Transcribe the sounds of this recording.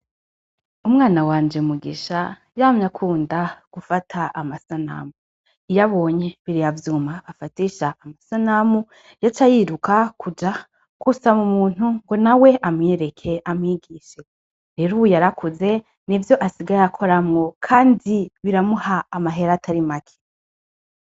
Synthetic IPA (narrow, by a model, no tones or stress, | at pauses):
umŋaːnawaːnd͡ʒe̞muɡiʃa | jaːmɲakʰuːndaɡ̥ufatʰaʔamasana̰mu | ijaβo̞ːɲe̞βiɾijavjuːmaβafatiʃaʔːmasanamu | jat͡ʃajiɾukakʰud͡ʒa | kusamumuːn̥huŋɡo̞nawe̞ʔamŋeɾe̞kʰe̞ʔamŋiɡiːʃe̞ | ɾe̞ɾuβujaɾakʰuze̞ | nivjo̞ʔasiɡajakʰo̞ɾamŋo̞kʰaːndiβiɾamuhaːmaɦe̞ɾatʰaɾimakʰe̥